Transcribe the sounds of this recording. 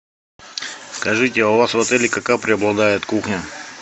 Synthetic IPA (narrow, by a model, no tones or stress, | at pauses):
skɐʐɨtʲɪɐvasvɐt̪ɛlʲɪkɐkapɾʲɪɐblˠɐd̪ajɪt̪kuxnʲə